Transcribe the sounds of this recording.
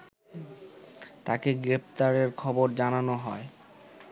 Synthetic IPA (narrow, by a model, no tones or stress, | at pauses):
t̪akeɡɾept̪aɾeɾkʰɔboɾd͡ʑananoɦɔe